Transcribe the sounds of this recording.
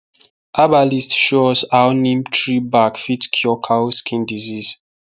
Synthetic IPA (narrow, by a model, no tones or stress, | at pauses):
ʔabalistʃozawnĩmtʰɹibakfitkʰjɔkʰawskʰĩndizis